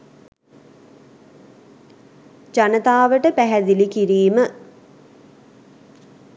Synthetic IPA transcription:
d͡ʒanət̪aːʋəʈəpæɦæd̪ilikiɾiːmə

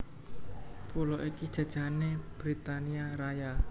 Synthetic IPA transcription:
pulɔʔikid̥ʒ̥ä̤d̥ʒ̥a̤neb̥ɾit̪aniaɾaja

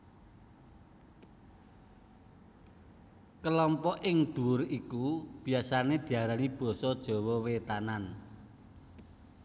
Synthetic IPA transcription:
kəlɔmpɔʔɪŋd̪̥uʊrikub̥i̤asaned̪̥i̤aɾanib̥ɔ̤sɔd̥ʒ̥ɔ̤wɔwet̪anan

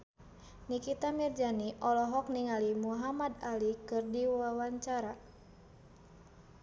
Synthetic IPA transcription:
nikit̪amird͡ʒaniʔɔlɔɦɔk̚niŋalimuɦamad̪alikɨrdiwawaɲt͡ʃaɾa

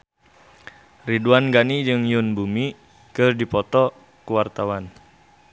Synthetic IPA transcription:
riduanɡanid͡ʒɨŋjʊnbumi | kɨrdipɔt̪ɔ | kuwart̪awan

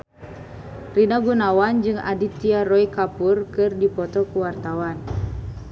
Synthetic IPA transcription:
rinaɡunawand͡ʒɨŋa̰dit̪iarɔikapurkɨrdipɔt̪ɔkuwart̪awan

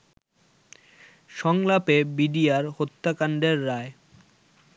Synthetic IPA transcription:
ʃɔŋlapebiɖijaɾhot̪ːakaɳɖeɾːae

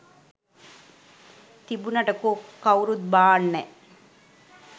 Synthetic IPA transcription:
t̪ibunɐʈəkokːɐuɾut̪̚baːɳːɛ

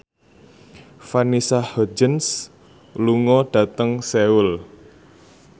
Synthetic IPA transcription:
fanisahɔd͡ʒəns | luŋɔɖ̥a̤t̪əŋseul

